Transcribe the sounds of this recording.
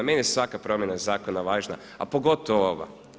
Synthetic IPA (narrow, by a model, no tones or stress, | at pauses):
menijesʋakapɾo̞mjenazaːko̞naʋaːʒna̰ | a̰po̞ɡo̞t̪oʋoʋa̰